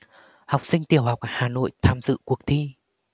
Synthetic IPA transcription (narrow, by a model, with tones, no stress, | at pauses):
ha˨˩wk͡p̚sï˧ŋ̟t̪i˨˩əwha˨˩wk͡p̚haː˨˩no̰˧˨jt̪ʰaː˧mzɨ̰˧˨ku˨˩ək̚t̪ʰi˧